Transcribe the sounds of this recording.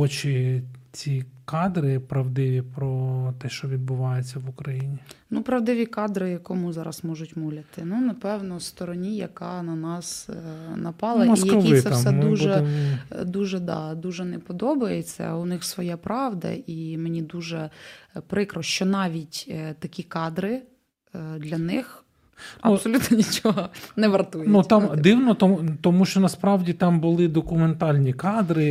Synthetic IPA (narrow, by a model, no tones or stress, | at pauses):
ɔt͡ʃɪt͡sʲikɑd̪ɾɪpɾɐʋd̪ɪʋʲipɾɔt̪ɛʃt͡ʃɔʋʲid̪̚bʊʋɑjet͡sʲːɐʋʊkɾɐjinʲinupɾɐʋd̪ɪʋʲikɑd̪ɾɪjɐkɔmuzɑɾɐsmɔʒʊtʲmulʲɐt̪ɪnunɐpɛwnɔst̪ɔɾɔnʲijɐkɑnɐnɑsnɐpɑlˠɐisjɐisɛsɛd̪uʒɛ | d̪uʒɛd̪ɑ̰d̪uʒɛnɛpɔd̪ɔbɐjet͡sʲːɐ̰ʊnɪxsʋɔjɑpɾɑʋd̪ɐ̰ʔimenʲid̪uʒɛpɾɪkɾɔʃt͡ʃɔnɑʋʲitʲt̪ɐkʲikɑd̪ɾɪ | d̪lʲɐnɪx | ɐubsɔlʲut̪nɔnʲit͡ʃɔɦɔnɛʋɐrt̪ujnut̪ɑmmd̪ɪwnɔt̪t̪ɔmuʃt͡ʃɔnɐspɾɑwdʲit̪ɑmbʊlˠɪd̪ɔkʊment̪ɑlʲnʲikɑd̪ɾɪ